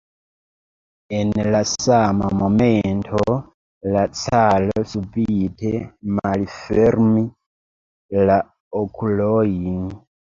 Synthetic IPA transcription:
enlasama̰momentʰo | lat͡salosubitʰemalifeɾmi | la | okʰuloin

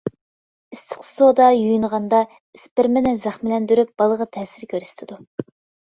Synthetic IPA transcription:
ist̪ʰɨ̥qsod̪ɑjujunʁɑnd̪ɑ | ispɪɾmɪnɛzæχmɪlɛnd̪yɾyp̚b̥ɑlˠəʁɑt̪ʰɛːsɪɾkʲʰøɾst̪ʰɨd̪u

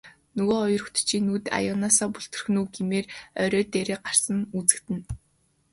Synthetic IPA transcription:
nɵɣoːɔjɞ̆rɞ̆xt̪t͡ɕʰiːnːuːt̪a̰jʊnaːsɔːpuɬt̪ɵ̆rxnuːɡemeːrœɾʲœːt̪eːɾeːɢar̥sə̆nut͡sɘ̆kt̪ɘ̆n

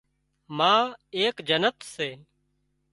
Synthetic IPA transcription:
mãːeːkd͡ʒənət̪seː

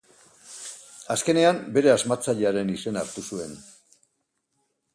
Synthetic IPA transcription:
aske̞ne̞ambe̞ɾe̞azmat͡saʎe̞aɾe̞nise̞naɾt̪usue̞n

